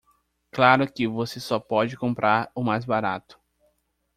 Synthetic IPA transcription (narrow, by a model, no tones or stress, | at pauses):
klaɾʊkɪvosesɔpɔd͡ʒɪkõmpɾʔaɾʊmajzbaɾa̰t̪ʊ̥